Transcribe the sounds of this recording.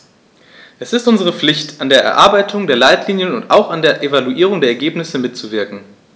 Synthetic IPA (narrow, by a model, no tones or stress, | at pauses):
ʔɛsɪstʔʊnzəʁ̞əflɪçtandeːɐʔɛ̰ɐʔaɐbaɪtʰʊŋdeːɐlaɪtliːnjənʊnta̰ʊxandeːɐʔevaluʔiːʁ̞ʊŋdeːɐɛɐɡeːpnɪsəmɪtt͡suvɪɐkŋ̩